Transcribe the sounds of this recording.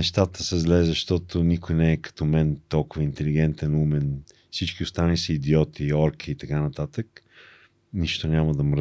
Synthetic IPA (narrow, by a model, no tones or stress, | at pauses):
ɛʃt̪at̪əsɛzlɛzɐʃt̪ɔt̪ʊnikʊjnɛːkɐ̥t̪ɔmɛnt̪ɔlˠkʊvəint̪ɛliɡ̟ɛnt̪ɛnumɛn | fsit͡ʃk̟iʊst̪anlisəid̪iɔt̪ʰiɔɾkʰiːt̪ɐkanɐt̪at̪ək | niʃt̪onʲaməd̪ɐmɾ